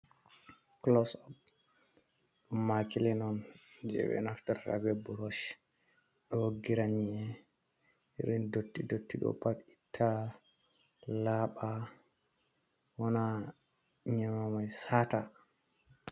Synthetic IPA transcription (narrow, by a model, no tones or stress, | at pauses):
klɔsɔp̚ | ɗumːakilɛnɔnd͡ʒɛ̰ɓɛ̰naftaɾːa̰bɛbuɾɔʃ | ɛwoɡːiɾaɲiɛ | iɾindotːidotːiɗɔ̰paɗitʰːa | laɓa | wɔna | ɲɛmamajsata